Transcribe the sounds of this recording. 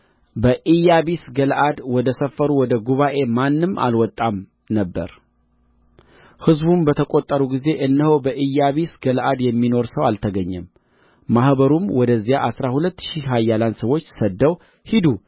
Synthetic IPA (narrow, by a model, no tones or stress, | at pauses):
bəʔijaβisɡəlʔad̪wɔd̪əsəfːəɾuwɔd̪əɡuβaʔe̞manːɨma̰lwɔt̪ʼːam | nəbːə̰ɾ | hɨzbumbət̪ʰəkʼot̪ʼːəɾuɡize̞ʔɨnːəhowbəʔijaβisɡəlʔad̪jɛmːino̞ɾsəwalt̪ʰəɡəɲːɛmː | ahbəɾumwɔd̪əzːijaʔasɾahulət̪ːʃiɦajːaland̪səwo̞t͡ʃːsəd̪ːəw | hid̪u